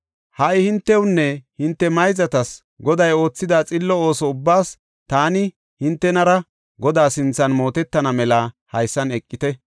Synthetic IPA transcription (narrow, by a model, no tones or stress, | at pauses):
hɐʔɪhɪnt̪ːɛwnːɛhɪnt̪ːɛmɐjzɐt̪ɐs | ɡɔd̪ɐjo̞ːt͡sːɪd̪aːt͡sʼɪlːɔo̞ːsɔʊbːaːs | t̪aːnɪ | hɪnt̪ːɛnɐɾɐ | ɡɔd̪aːsɪnt͡sːɐnmo̞ːt̪ɛt̪ːɐnɐmɛlɐ | hɐjsːɐnɛkʼːɪt̪ɛ